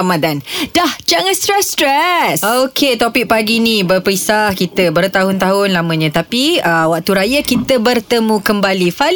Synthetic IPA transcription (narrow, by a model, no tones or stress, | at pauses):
madandahd͡ʒaŋanst̪ɾɛst̪ɾɛsokʰet̪opɪk̚paɡinibərpɾisahkit̪əbərt̪aɦʊnt̪aɦʊnlamə̃ɲə̃t̪apiəwaʔ̚t̪uɾajakit̪əbərt̪əmũkəmbalifa